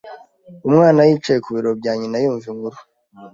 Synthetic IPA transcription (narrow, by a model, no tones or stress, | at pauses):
umŋaːnajiːt͡ʃajekuβiɾo̞b̚ɟaːɲinajuːɱviŋɡuɾu